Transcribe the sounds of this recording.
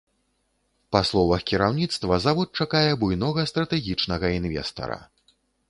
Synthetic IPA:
paslˠɔvɐxkʲiɾawnʲit̪st̪vɐzavɔt̪̚t͡ʂakajɛbujnɔɣɐst̪ɾɐt̪ɛɣʲit͡ʂnɐɣɐinvʲɛ̰st̪ɐ̰ɾɐ̰

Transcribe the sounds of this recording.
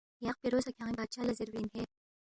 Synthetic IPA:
jaq̚peɾoːsɐkʰãːŋibaːt̪ʃaːlɐziɾʋiːnɦeː

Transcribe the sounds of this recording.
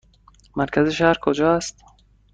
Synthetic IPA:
mæɾkʲʰæzeʃæhɾkʰod͡ʒɒːst̪

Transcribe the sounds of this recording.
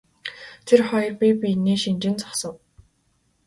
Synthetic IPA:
t̪ʰerχɔj̆rpʲipʲineːʃint͡ɕɪ̆nt͡sɔ̥sɞ̆w

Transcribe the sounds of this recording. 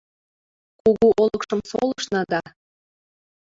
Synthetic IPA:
kuɣuʔolɤkʃɤ̆msoləʃnɑd̪ɑ

